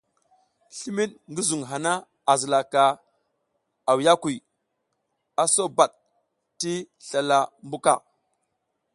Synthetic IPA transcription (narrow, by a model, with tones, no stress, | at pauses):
ɬi˦mi˦ɗŋɡi˦zu˨ŋɦa˨na˦ | a˨zi˨la˨ka˨ | a˨wja˦ku˨ | a˨so˦ba˨ɗ | ti˦ | ɬa˨la˨mbu˦ka̰˨